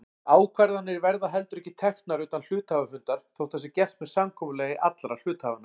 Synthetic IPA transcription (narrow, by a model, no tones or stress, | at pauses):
aːwkʰvaɾðanːɪɾvɛɾðaɦɛl̪t̪ʏɾɛhçcːɪt̪ʰɛxt̪naɾʏːt̪anl̥ʏːt̪avafʏnt̪aɾ̥θowt̪θɛsɪcɛr̥t̪mɛðsamkʰɔːmʏlɛːjɪʔat̪lɾal̥ʏːt̪haːvanːa